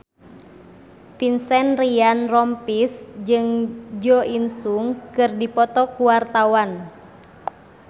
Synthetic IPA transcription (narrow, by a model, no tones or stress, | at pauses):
pinsɛnrianrɔmpisd͡ʒɨŋd͡ʒɔʔinsuŋkɨrdipɔt̪ɔkuwart̪awan